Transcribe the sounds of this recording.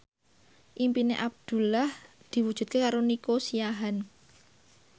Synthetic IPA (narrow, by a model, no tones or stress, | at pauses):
ʔimpineʔab̚d̪̥ṳlahd̪̥i̤wud̥ʒ̥ṳt̪̚kekaɾonikosijaɦan